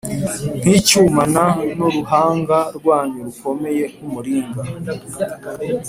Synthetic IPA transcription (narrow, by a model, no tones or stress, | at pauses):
n̥hiːcumananoɾuhaːŋɡaɾɡwaːɲeɾuko̞me̞je̞numuɾiːŋɡa